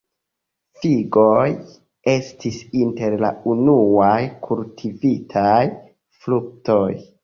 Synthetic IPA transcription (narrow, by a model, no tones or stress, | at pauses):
fiɡo̞j | e̞stisinte̞ɾla̰unuajkʰultʰivitʰaj | fluk̚to̞j